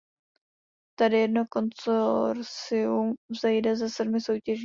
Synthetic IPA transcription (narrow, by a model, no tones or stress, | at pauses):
t̪adɪjɛdnokont͡soɾsɪumvzɛjdɛzɛsɛdmɪsowcɛʒ